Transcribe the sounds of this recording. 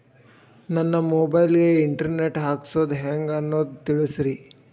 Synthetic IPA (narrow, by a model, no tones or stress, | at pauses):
nɐnːɐmoːbɐjlɡe̞iɳʈɐɾneʈɦaːksoːd̪uɦeːŋɡɐnːoːd̪ut̪iɭisɾi